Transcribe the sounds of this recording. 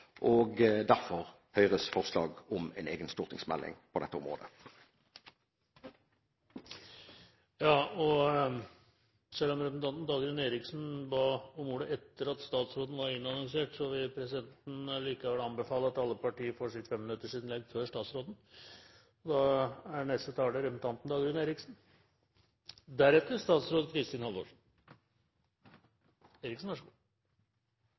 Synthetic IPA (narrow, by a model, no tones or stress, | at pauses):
ʔɔɡd̪æɾfɔʁ | hœʏʁəsfɔʁslɑ̰ːɡɔmɛ̰nḛːɡənst̪ʊʁt̪ɪŋsmɛ̰lːʔɪ̰ŋpʰɔd̪ɛt̪ːəʊ̰mʁo̰ːd̪ə | jɑːɔ | sɛlːɔmɾɛpnt̪ʰɑnt̪nd̪ɑɡ̪ɾəneːɾɪksnbɑːɔmuːɖ̪əɛt̪ːəɾɑt̪st̪ɑːt̪sɾoːd̪n̩ʋɑɾɪnːɑnɔŋseːʈsɔʋɪpʰɾɛsɪd̪ɛnt̪n̩liːkəʋɛləɑnbəfɑːləɑt̪ɑlːəpʰɑʈiːəfoːʂɪt̪fɛmːɪnʉt̪ːəʂɪnnlɛɡføːʂʈɑːt̪sɾoːd̪n̩ | ɔd̪ɑæɳɛst̪ət̪ʰɑːldəɾɛpsn̩t̪ʰɑnt̪n̩d̪ɑɡɾʉːneːɾɪksn̩ | d̪æɾɛt̪ːəɾʂt̪ɑːt̪sɾoːd̪kʰɾɪst̪ɪːnhɑlʋo̰ːʂ | eːɾɪksn̩ʋæʂ